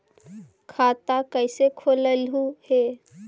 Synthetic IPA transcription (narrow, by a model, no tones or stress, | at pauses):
kʰat̪akəɪsekʰoːləlɦuhe